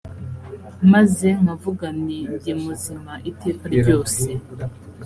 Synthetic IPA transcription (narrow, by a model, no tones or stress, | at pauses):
mazeŋavuɡaneɟimuzimaʔiteːkaɾiɟo̞ːse̞